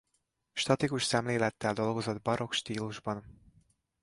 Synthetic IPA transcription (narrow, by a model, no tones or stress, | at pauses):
ʃt̪ɒt̪ikuʃsɛmleːlɛt̪ːɛld̪o̞lɡo̞zo̞d̪̚bɒɾo̞kʃt̪iːluʒbɒn